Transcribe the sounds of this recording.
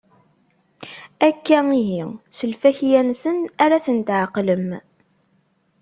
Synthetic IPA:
ækːæiɦisəlfæçjænsənæɾæθənt̪ʕəqləm

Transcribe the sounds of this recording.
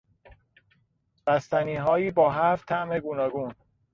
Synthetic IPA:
b̥æst̪æniːɦɒːjiːbɒːɦæft̪ʰæʔme̞ɡunɒːɡuːn

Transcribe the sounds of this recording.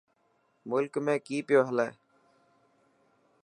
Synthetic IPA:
mʊlkmẽːkiːpɪjoːɦəleː

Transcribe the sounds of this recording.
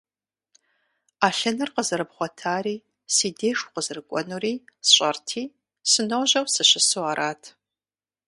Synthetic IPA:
aːɬɐnɨrqəzɨɾɨbχʷɔtʰaːriː | siːdeːʂu̥qəzɨrɨkʷʼɔnuːriːsɕʼɐrtʰiː | sɨnowʑɐwsɨɕɪsuaːɾʔaːtʰ

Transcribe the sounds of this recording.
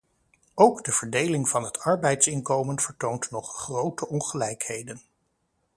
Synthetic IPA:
owɡdəv̥əɹdejlɪŋvɑnɦətɑɹbɛjtsɪnkowmənv̥əɹtowntnɔχχrowtəʔɔnχəlɛjkhejdən

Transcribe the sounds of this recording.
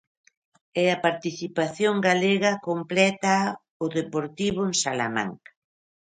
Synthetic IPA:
ɛɐpaɾt̪iθipaθjoŋɡaleɣɐkomplɛt̪a | ʊðepoɾt̪iβ̞ʊensala̰ma̰ŋkḁ

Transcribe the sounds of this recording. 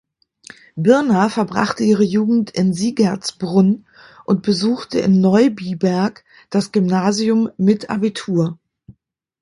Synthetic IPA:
bɪɐnafɛɐbʁa̰χtəʔiːʁ̞əjuːɡŋ̩tɪnziːɡat͡sb̥ʁʊn | ʔʊnt̚b̥əzuːxtʰəʔɪ̰nːɔʏbiːbɛɐk | d̥asɡ̥ʏmnaːziʊmːɪtʰʔa̰bitʰuːɐ

